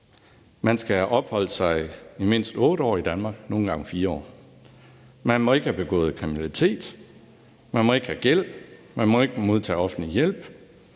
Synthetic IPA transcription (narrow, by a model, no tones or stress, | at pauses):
mænsɡ̥ææʔɒ̽b̥hɒ̽l̰əsɑ̈ɪime̝n̰sd̥ɔ̽ːɾ̥əɒ̰ːid̥ænmɑ̈ːɡ̥no̝ːn̩ɡ̥ɑ̈ŋfiːɐɒ̰ː | mænmɒ̽e̝ɡ̥əhæb̥e̝ɡ̥ɔ̰̽ːð̞̩ˠkʰʁiminælit͡sʰe̝̰ːd̥ | mænmɒ̽e̝ɡ̥hæɡ̥el̰b̥mænmɒ̽e̝ɡ̥əmo̝ð̞ˠt͡sʰɛ̰ːɒ̽fn̩lijel̰b̥